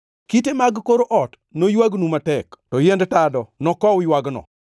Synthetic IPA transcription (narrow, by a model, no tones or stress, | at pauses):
kitemaɡkoɾoʔɔt | nojwaɡnumatɛktɔjendtadɔnɔkɔʊjwaɡnɔ̰